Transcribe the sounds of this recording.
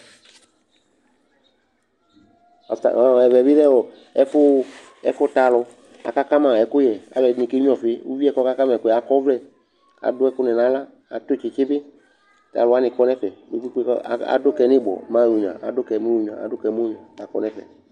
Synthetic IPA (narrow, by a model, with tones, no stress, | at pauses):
ɛ˨vɛ˨vi˦ɾɛ˦wɔ˨ | ɛ˦fʊ˦ | ɛ˦fʊ˦ta˨lʊ˧ | a̰˨ka˦ka˦mã˨ɛ˨kʊ˦jɛ˨a̰˨lɛ˨nĩ˨ke˦ĩ˦ɔ˨fɪ˦ṵ˦vi˦ɛ˦kɔ˦ka˦ka˦mã˨kʊ˦ɛ˨a˨kɔ˦vlɛ˦ | a̰˨dʊ˦ɛ˦kʊ˦nɛ˨nã˨˦la˦ | a̰˨t̪o˦˨t͡ʃɪ˨t͡ʃɪ˦bɪ˦ | ta̰˨lʊ˨˦a˦nɪ̃˨kɔ˦nɛ˦fɛ˨bo˦kk͡pi˦kḛ˦˨a̰˨dʊ˦kɛ˧nɪ˦bɔ̰˨mã˦˨u˨ɲ˨ã̰˨a̰˨dʊ˦kɛ˨˦mu˦u˨˦ɲ˨ã̰˨a̰˨dʊ˦kɛ˨mũ˦ɲ˨ã˨a˨kɔ̰˦nɛ˦fɛ̰˨